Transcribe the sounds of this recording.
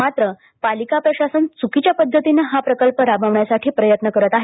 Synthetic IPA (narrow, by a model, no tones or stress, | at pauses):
at̪ɾə | palikapɾəɕasənt͡sukit͡ɕjapəd̪ʱːət̪inəɦapɾəkəlpəɾabaʋɳjasaʈʰiːpɾəjət̪nəkəɾət̪aɦe